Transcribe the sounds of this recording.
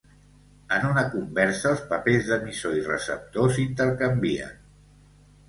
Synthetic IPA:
ənunəkumbɛɾsəːlˠspəpezðəmisoirə̰sə̰p̚t̪osint̪əɾkəmbiə̰n

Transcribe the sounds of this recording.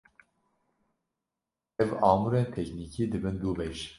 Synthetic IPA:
ɛvɑːmuɾeːnt̪ʰɛknikʰiːd̪ɨbɨnd̪uːvɛʃ

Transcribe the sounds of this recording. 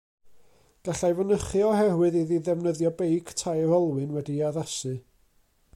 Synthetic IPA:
ɡ̥aɬajvənəχɨɔhɛwɨðiðiðɛvnəðjɔbejkʰtʰajrɔlˠwɨnwɛdiaðasɨ

